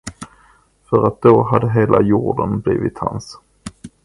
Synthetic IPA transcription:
fœɾat̪̚d̪oɦad̪əɦeːlʔajuːɖənbliːvɪt̪hans

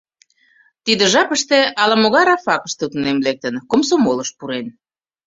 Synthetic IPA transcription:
t̪id̪ə̆ʒɑpəʃt̪eɑlɑmoɣɑɾɑfɑkə̥ʃt̪ut̪nemlek̚t̪ə̆nkomsomoləʃ̚puɾen

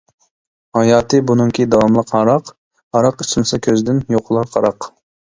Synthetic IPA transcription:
hɑjɑːt̪ʰɨbunɨŋkʲʰid̪ɑwɑmlˠəqhɑɾɑq | ɑɾɑqysɪnsɑkʲʰøzd̪ɪnjoqʰlˠɑqʰɑɾɑq

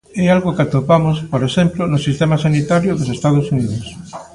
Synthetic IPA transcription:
ɛalɣokat̪opamʊspoɾesemplonʊsist̪emasanit̪aɾjʊðosest̪að̞osuniðos

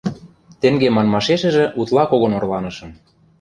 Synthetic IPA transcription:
t̪ĕŋɡemɑnmɑʃeʃɘ̆ʒĕʔut̪lˠɑkoɣŏnŏrlɑnɤ̆ʃɤ̆n

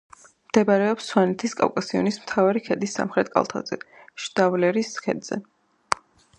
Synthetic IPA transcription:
md̪̥ɛbaɾɛɔpsːwanɛt̪ʰiskʼa̰vkʼasiɔ̰nismt̪ʰavaɾikʰɛd̪isːa̰mχɾɛt̪̚ʰkʼa̰lˠt̪ʰa̰d̪zɛ | ʃd̪̥avlɛɾiskʰɛ̰d̪z̥ɛ̰

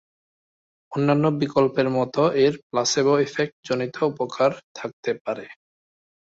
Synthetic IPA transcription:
onːanːobikolpeɾmɔt̪oʔeɾplaseboefek̚ʈ̚d͡ʑonit̪ʰoupokʰaɾt̪ʰak̚t̪epaɾe

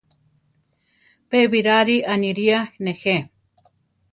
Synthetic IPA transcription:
peβiɾaɾianiɾianexe

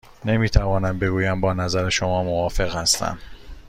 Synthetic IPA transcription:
ne̞miːt̪ʰævɒːnæmbe̞ɡuːjæmbɒːnæzæɾeʃomɒːmovɒːfe̞ɣhæst̪ʰæ̰m

